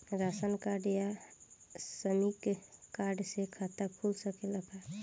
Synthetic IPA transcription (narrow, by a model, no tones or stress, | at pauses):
ɾasənkaɖja | səmikkaɾɖsekʰat̪akʰulsəkeləpʰaɾ